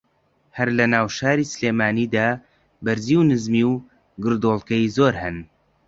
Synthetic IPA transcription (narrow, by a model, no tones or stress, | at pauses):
hɐɾlɐnaːwʃaːɾiːsɨleːmaːniːd̪aː | bɨɾziːwnɨzmiw | ɡɨɾd̪oːlˠkɐjizoːɾhɨn